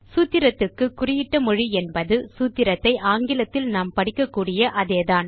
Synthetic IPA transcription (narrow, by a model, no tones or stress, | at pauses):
suːt̪ːɪɾɐt̪ːɯkːɯkʊrɪjɪʈːɐmɔɻiɛnbɐðɯsuːt̪ːɪɾɐt̪ːɐɪʔaːŋɡɪlɐt̪ːɪlnaːmpɐɽɪkːɐkːuːɽɪjɐʔɐðeːðaːn